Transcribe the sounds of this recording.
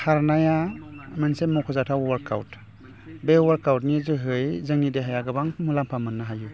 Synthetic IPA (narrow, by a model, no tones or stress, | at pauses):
haɾnajamɯnsemukʰɔzatʰawwaɾkʰa̰wt | bewaɾkawt̚nizɯɦɯjzɯŋideɦajaɡɯbaŋmulampʰamɯnːaɦaju